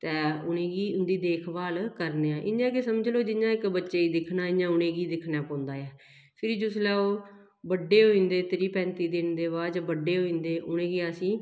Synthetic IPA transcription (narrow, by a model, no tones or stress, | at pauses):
t̪ɛːʊnẽːɡiːʊnd̪iːd̪eːkʰbaːlkəɾneːãːʔɪ̰ɲãːkesəmd͡ʒloːd͡ʒɪɲãːɪkbətːʃeːiːd̪ɪkʰnaːɪɲãːʊnẽːɡiːd̪ɪkʰnaːpɔ̃ːnd̪aːɛː | pʰɪɾiːd͡ʒʊslɛːoː | bəɖːeːɦoːĩːnd̪eːt̪ɪɾiːpɛ̃ːnt̪iːd̪ɪnd̪eːβaːd͡ʒbəɖːeːɦoːĩːnd̪eːʔʊnẽːɡiːasĩː